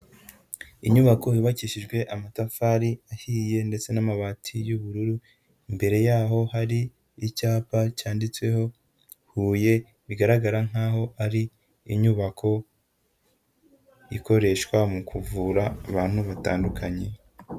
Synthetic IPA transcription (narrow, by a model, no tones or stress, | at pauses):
iɲuβakʰo̞iβaciʃiʒɡwe̞ʔamatafaːɾiahiːje̞nde̞t͡se̞namaβatʰijuβuɾuɾu | imbe̞ɾe̞jaːɦo̞haɾiː | caːpacaːndit͡swe̞ho̞ | huːje̞ | βiɡaɾaɡaɾaŋ̥aːɦo̞ʔaɾiː | ɲuβakʰo̞ | iko̞ɾe̞ʃkwamukʰuvuɾaːβaːn̥huβata̰ːndukʰaɲe̞